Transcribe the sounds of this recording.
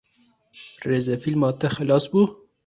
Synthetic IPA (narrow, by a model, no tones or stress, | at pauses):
ɾezɐfilmɑːt̪ɐxalɑːsbu